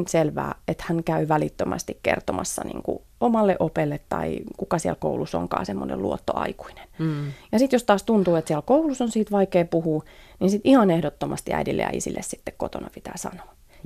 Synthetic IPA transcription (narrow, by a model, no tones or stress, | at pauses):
nselʋæ̰ːet̪hæŋkæyʋælit̪ːømʔæst̪ikkḛrt̪omɑsːɑnḭːŋkṵ | omɑlːeʔopelːet̪tɑikukɑsiælko̰uluso̰ŋkɑ̰ːsemːonḛlṵot̪ːo̰ɑ̰iku̥ine̥njɑsit̪jost̪ɑːst̪unt̪uːet̪siælkoulusonsiːt̪ʋɑikeːpuhuːninsit̪ihɑnehdot̪ːomɑst̪iæ̰idilːḛɑ̰ḭsḭlːessi̥t̪ːekkot̪onɑpit̪æːsɑ̰no̥ː